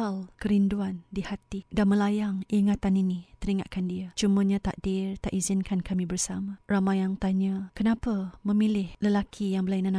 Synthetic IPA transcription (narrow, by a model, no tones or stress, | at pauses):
alkəɾinduandihat̪idanməlajaŋiŋat̪aninit̪əɾiŋa̰ʔkandiat͡ʃuməɲãt̪a̰ʔ̚dɪrt̪aʔizɪnkankʰamibərsamaramajaŋt̪aɲakənapamə̃milɪhləlakʰijaŋbəlainana